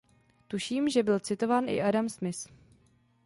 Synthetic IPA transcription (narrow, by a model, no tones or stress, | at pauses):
t̪uʃiːmʒɛbɪlt͡sɪt̪o̞vaːnʔɪ̰ʔadamsmɪs